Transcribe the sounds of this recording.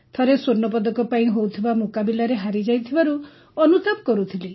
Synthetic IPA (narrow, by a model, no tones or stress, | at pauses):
t̪ʰaɾesoɾnɔp̬ɔd̪ɔkɔpaĩɦowt̪ʰibamokabilaɾeɦaɾid͡ʒajt̪ʰibaɾu | ɔnut̪abɔkɔɾut̪ʰili